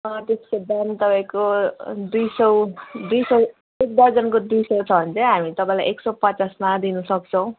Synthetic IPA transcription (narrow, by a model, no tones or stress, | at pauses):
ʌt̪eskod̪ant̪ʌpaĩkod̪ujsʌwd̪ujsʌw | ek̚d̪ad͡zʌnkod̪ujsʌwt͡sʰʌɦʌnt͡sʌjɦamit̪ʌpãĩla̰jʔeksʌpʌt͡sasmad̪inusʌkt͡sʰʌ̃w̃